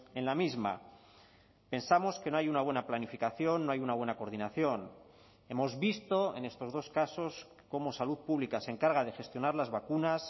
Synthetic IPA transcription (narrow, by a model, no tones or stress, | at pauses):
e̞nlamizma̰ | pe̞nsamo̞ske̞no̞ajunaβwe̞naplanifikaθjo̞nːoajunaβwe̞nako̞ɾð̞inaθjo̞n | e̞mo̞zβist̪o̞e̞̰ne̞st̪o̞zðo̞skaso̞s | ko̞mo̞saluðpuβlikaseŋkaɾɣ̞aðe̞xe̞st̪jo̞naɾlazβakunas